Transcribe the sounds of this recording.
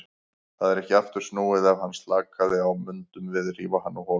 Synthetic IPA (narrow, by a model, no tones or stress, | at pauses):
θaðɛɾɛhcɪaft̪ʏɾ̥snuːwɪðavhanːst̪laːkaðɪawmʏnt̪ʏmvɪðriːvahanːuhɔː